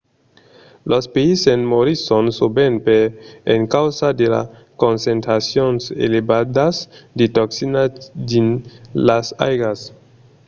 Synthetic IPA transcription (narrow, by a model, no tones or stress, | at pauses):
lʔospeisenmoɾisonsubenpeenkawzadela̰ | konsentɾasjonsḛlebadasditoksinad͡ʒinlasa̰jɡas